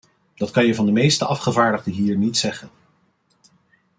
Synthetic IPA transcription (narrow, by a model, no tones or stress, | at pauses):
d̥ɑtkɑnjəvɑndəmejstəʔɑfχəvaːɹdəʁdəɦiːɹnitsɛχən